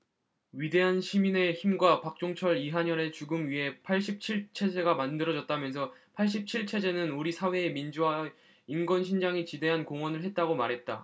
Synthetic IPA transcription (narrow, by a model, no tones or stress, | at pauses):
ɥide̞ɦanɕʰimine̞çimɡwapak̚t͡ɕ͈oŋt͡ɕʰʌɾiɦaɲʌɾe̞t͡ɕuɡɯmɥiɦe̞pʰaɭɕ̬͈ip̚t͡ɕʰiɭt͡ɕʰe̞d͡ʑe̞ɡamandɯɾʌd͡ʑʌt̚t͈amjʌns̬ʰʌpʰaɭɕ͈ip̚t͡ɕʰiɭt͡ɕʰe̞d͡ʑe̞nɯnuɾisʰawe̞ːmind͡ʑuwa | inɡwʌnɕʰind͡ʑaŋit͡ɕide̞ɦankoŋwʌnɯɭɦe̞t̚t͈aɡomaɾɦe̞t̚t͈a̰